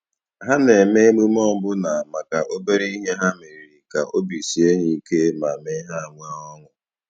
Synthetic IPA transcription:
ɦa˦ne˨me˦mu˦m˦ɔ˦bʊ˦na˨ma˨ka˨ʔo˦be˦ɾe˦i˦ɦe˦ɦa˦me˨ɾi˨ɾi˨ka˨ʔo˦bi˨si˨e˦ɲi˦ke˦ma˨me˦ɦa˦˨ŋʷa˦ɔ˦ŋʊ˨

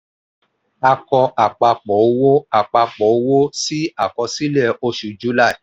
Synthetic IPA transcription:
a˧kɔ˧ʔa˨k͡pa˧k͡pɔ˨o˧˦wo˦a˨k͡pa˧k͡pɔ˨˦o˧˦wo˦si˦a˨kɔ˧si˦lɛ˦˨o˧ʃu˨d͡ʒu˨˦la˦ɛ˨

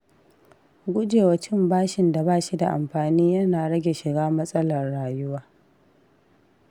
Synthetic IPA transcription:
ɡʷʊ˦d͡ʒeː˨wɐ˨t͡ʃɪ˦mbaː˦ʃɪ˨nda˨baː˦˨ʃi˦da˨ʔa̰˨mɸaː˨niː˦jɐ˦naː˨ɽɐ˦ɡʲe˨ʃɪ˨ɡaː˦mɐ˦sʼɐ˦lɐ˨rːaː˨jʊ˦waː˦

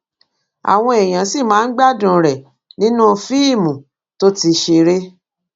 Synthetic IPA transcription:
a̰˨w̃ɔ̃˧e˨j̃ã˨si˦˨mãː˨˦n̩˦ɡ͡ba˦˨dũ˨ɾɛ˨ | nĩ˦nũ˦fi˦i˦˨mũ˨ | to˦ti˧ʃe˧ɾe˦

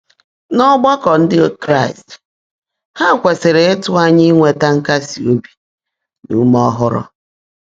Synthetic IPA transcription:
nɔ˦ɡ͡ba˦kɔ˨n̩˦dɪ˦kɾa˦˨ɪ˨st | ha˦˨kʷe˨se˨ɾe˨e˦tʊ˦a˦ɲi˦ŋʷe˨ta˦ŋ̩˦ka˦si˨o˦bi˨ | nṵ˨˦mɔ˦ɦʊ˦ɾʊ̰˦

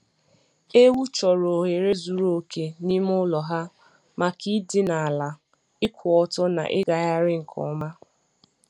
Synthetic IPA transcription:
e˦wu˦t͡ʃɔ˨ɾo˨ɦe˨ɾe˦zu˨ɾo˨kʰe˨ni˦m˦ʊ˦lɔ˨ɦa˦ | ma˨ki˦dɪ˦na˨a˨la˨ | ɪ˦kʷʊ˨ɔ˨tɔ˦na̰˨ʔɪ˦ɡa˨ja˦ɾɪ˦ŋ̩˨kʰɔ̰˨˦ma˦

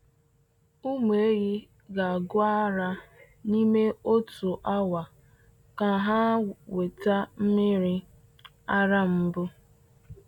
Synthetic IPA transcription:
u˦m˨e˦ɾi˦ | ɡa˨ɡʊ˦a˦ɾa˦ | ni˦me˦o˦tu˨ʔa˦wa˨ | ka˨ɦa˦we˨ta˦m̩˦mɪ˦ɾi˦ | a˦ɾa˦m̩˦bʊ˦

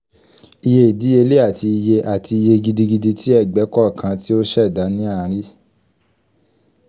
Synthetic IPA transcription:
i˧je˧˦˨di˨˦e˧le˦a˦˨ti˧i˧je˧ʔa˦˨tʰi˧i˧je˧ɡi˧di˧ɡi˧di˧ti˦ɛ˦˨ɡ͡bɛ˨˦kɔ˦˨kʰã˧˦ti˦o˦ʃɛ˦˨da˨˦nĩ˦a˦˨˦ɾi˦

